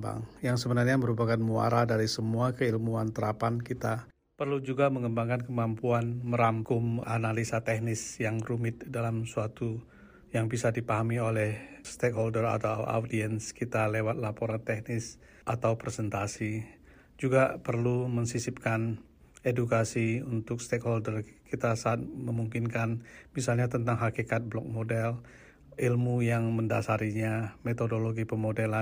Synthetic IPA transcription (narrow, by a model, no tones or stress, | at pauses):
ba̰ŋjaŋsəbənarɲaməɾupakanmua̰ɾadaɾisəmuakəilmuant̪əɾapankit̪a | pərlud͡ʒuɡaməŋəmbaŋkankəmampuanməɾamkʊmanalisat̪ɛhnɪsjaŋrumɪt̪̚dalamsuat̪u | jaŋbisadipaɦamiolɛhst̪ekholdəra̰t̪awa̰wdiɛnskit̪alewat̪̚lapoɾant̪ɛhnɪs | ʔat̪awpɾesɛnt̪asi | d͡ʒuɡapərluməŋsisip̚kan | edukasiunt̪ʊk̚st̪ekholdərkit̪asaːt̪̚məmuŋkinkanmisalɲat̪ənt̪aŋɦakikat̪̚blɔk̚modɛl | ilmujaŋməndasaɾiɲamet̪odoloɡipəmodela